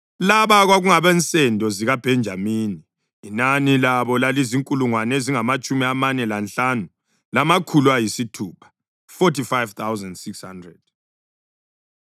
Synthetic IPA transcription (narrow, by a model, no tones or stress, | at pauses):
laβaɣwaɣuŋaβɛnt͡sʼɛndʱɔziɣab̥ʱɛnd͡ʒʱamiːniː | nanilaβɔlaliziŋkʼuluŋwaneziŋamat͡ʃʼumiamanɛlanɬanu | lamakʰulwajisitʰuːpʰḁ | fɔtʰifajvt̪ʰawzandsiksha̰ndrɛd̥̚